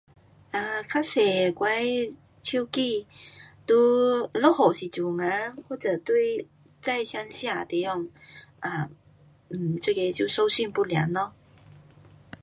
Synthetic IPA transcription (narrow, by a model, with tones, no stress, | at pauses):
a˨˧kʰa˦˥se˨˩kwa˧˦j | t͡ɕʰu˦˥˦ki˥˧˨t̪u˦lɔ˥hɔ˨˩ɕi˨˩t͡su˨˩ŋa˧˦hwɔ˥˩t͡sə˨˩t̪wi˥˧ɪ | t͡sa˥˧jɕja˧˥ŋɕja˥˧˩t̪e˨˧˩jɔ˥˧ŋa˧˩ | m̩˨˩t͡sə˥˧ke˧t͡ɕju˥˧so˧ʊɕy˥˧˨npu˥lja̰˨˧˦nnɔ˧˦